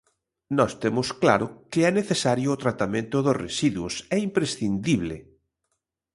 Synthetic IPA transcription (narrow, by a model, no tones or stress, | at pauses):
nɔst̪emʊsklaɾʊkɪɛneθesaɾjoːt̪ɾat̪amẽnt̪ʊðosresiðwʊsɛimpɾesθind̪iβ̞lḛ